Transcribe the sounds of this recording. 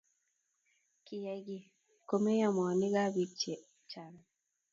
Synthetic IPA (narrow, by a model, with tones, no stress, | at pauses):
ki˨ja˨˦ɡi˦˨ | ko˨me˦jɔ˦mɔ˨ni˦ɡa˦bi˨t͡ʃe˨ | t͡ʃa˨n